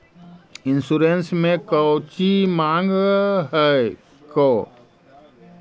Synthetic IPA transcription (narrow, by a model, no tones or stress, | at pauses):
ɪnsuɾensmẽkət͡ʃimãːŋɡɦɛ | ko